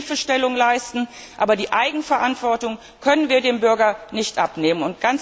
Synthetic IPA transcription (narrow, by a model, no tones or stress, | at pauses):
fəʃtɛlʊŋlaɪstn̩ | ʔa̰ːbɐdiːʔaɪɡŋ̩fɛɐʔantv̥ɔɐtʊŋ | kʰœnənviːɐdeːmbʏɐɡɐnɪçtʔapneːmənʊnt̚ɡ̥ant͡s